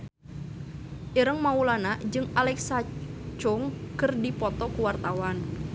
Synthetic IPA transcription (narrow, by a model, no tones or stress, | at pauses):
ʔiɾəŋmaulanad͡ʒɨŋalɛksat͡ʃʊŋkɨrdipɔt̪ɔkuwart̪awan